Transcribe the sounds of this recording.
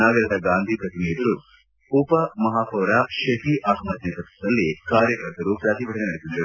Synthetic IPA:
naːɡɐɾɐd̪ɐɡaːnd̪ʱipɾɐt̪imijɐt̪ɐɾu | upɐmɐɦaːpɐːɐɾaʃɐɦiʔaːkmɐt̪nɐt̪ɐt̪sɐd̪ɐlːikaːɾjɐkɐɾt̪ɐɾupɾaːt̪ibʱɐʈɐnenɐɽisind̪ɐɾu

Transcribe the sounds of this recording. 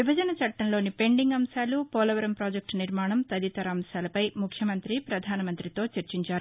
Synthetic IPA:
ʋibʱɐd͡ʒɐnɐt͡ʃɐʈːɐnlo̞ːnipe̞ɳɖiŋɡɐmsaːlupɔːlɐʋɐɾɐmpɾaːd͡ʒek̚ʈniɾmaːɳɐmt̪ɐd̪it̪ɐɾaːmsaːlɐpɐjmukʰjɐmɐnt̪ɾipɾɐd̪ʱaːnɐmɐnt̪ɾit̪o̞ːt͡ʃɐɾt͡ʃiɲt͡ʃaːɾu

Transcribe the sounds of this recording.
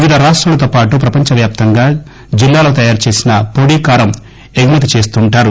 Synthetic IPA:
ʋid̪ʱɐɾaːʂʈɾɐlɐt̪oːpaːʈupɾɐpɐɲt͡ʃɐʋjaːp̚t̪ɐŋɡaː | d͡ʒilːaːlo̞ːt̪ɐjaːɾt͡ʃe̞ːsinɐpoːɽiːkaːɾɐm | ebʱimɐt̪̬it͡ʃe̞ːst̪uɳʈaːɾu

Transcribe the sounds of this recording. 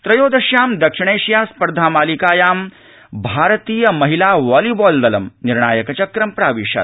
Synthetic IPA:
t̪ɾɐjoːd̪ɐʃjaːmd̪ɐkʂiɳ̃eːʃjaːspɐɾd̪ʱaːmaːlikaːjaːm | bʱaːɾɐt̪iːjɐmɐɦilaːʋaːlibɔːld̪ɐlɐmniɾɳaːjɐkɐt͡ʃɐkɾɐmpɾaːʋiːʃɐ̰

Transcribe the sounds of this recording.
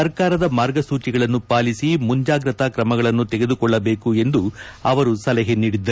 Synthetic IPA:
ɐɾkaːɾɐd̪ɐmaːɾɡɐsuːt͡ʃiɡɐɭɐnːupaːlisimuɲd͡ʒaːɡɾɐt̪akɾɐmɐɡɐɭɐnːut̪ɛɡe̞d̪ukɔɭːɐbe̞ːkue̞nd̪uɐʋɐɾusɐlɐɦeniːɽid̪ːɐɾ

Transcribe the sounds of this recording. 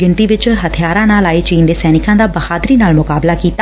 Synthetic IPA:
ɪɳʈiːʋɪt͡ʃɦət̪ʰɪjaːɾãːnaːlaːiːt͡ʃiːnd̪eːsɛːnɪkãːd̪aːbəhaːd̪ɾiːnaːlmʊkaːblaːkiːt̪a

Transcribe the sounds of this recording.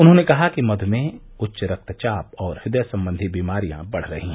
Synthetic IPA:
ʊnɦõːnekɐɦakimɐd̪ʱmẽ | ʊtːʃɾɐk̚t̪t͡ʃaːpɔːɾhɪd̪əjsɐ̃mbə̃nd̪ʱibiːmaːɾijã̰bɐɽ̤ɾɐ̰ɦĩɦɛ̃

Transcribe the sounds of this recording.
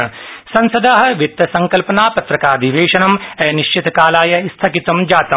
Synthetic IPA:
ɐsɐ̃nsɐd̪aːɦɐʋit̪ːɐsɐ̃ŋkɐlpɐnaːpɐt̪ɾɐkaːd̪iʋeːʃɐnɐmɛːniʃt͡ʃit̪kaːlaːjɐst̪ʰɐkit̪ɐmd͡ʒaːt̪ɐ

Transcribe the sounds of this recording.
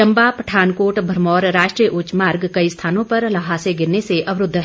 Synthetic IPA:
ɐ̃mbapɐʈʰaːnkoːɾʈbʱɐɾmɔːɾɾaːʃʈɾijəʔʊt͡ʃmaːɾɡkɐist̪ʰaːnõpɐɾlɐɦaːseɡɪɾneseʔɐʋɾʊd̪ʱː

